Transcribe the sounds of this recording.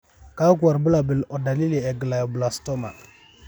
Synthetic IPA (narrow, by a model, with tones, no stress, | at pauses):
ka˦ɡu˨a˨ɾbə˦la˨bə˨lɔ˨da˨li˦le˨ɛ˨ɡə˨la˨jo˨bə˨la˨sto˦ma̰˨